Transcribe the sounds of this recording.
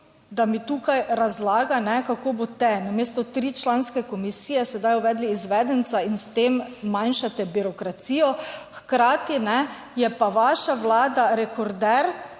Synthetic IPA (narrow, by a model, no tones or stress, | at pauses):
d̪amit̪uːkajɾazlaːɡanɛkakoːbot̪ɛnameːst̪ɔt̪ɾiːt͡ʃlanskɛkɔmisiːjɛsɛd̪ajuʋɛːd̪liːzʋɛd̪ənt̪sainst̪eːmːajnʃat̪ɛbiɾɔkɾat̪siːjɔxkɾaːt̪inɛ | jɛpaʋaʃaʋlaːd̪aɾɛkɔɾd̪ɛɾ